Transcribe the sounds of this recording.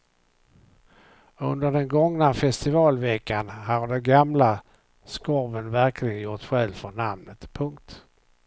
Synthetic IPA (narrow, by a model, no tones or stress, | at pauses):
ɵnd̪əɖ̪ɛnɡɔŋnafɛst̪ɪvɑːlvɛkːanhaɾd̪ɛnɡamla | skɔɾvənvæɾkʰlɪɡənjʊʈ̪ːɧɛlvfɔnamnət̪pʰɵŋk̚t̪